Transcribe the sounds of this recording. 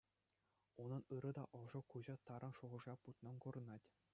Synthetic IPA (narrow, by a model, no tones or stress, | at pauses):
unɤ̆nɯɾɤ̆d̪ɑʔɤ̆ʐɤ̆kuʑɑt̪ɑɾɤ̆nʂuʁɤ̆ʐɑput̪nɤ̆nkŏrɤ̆nɑtʲ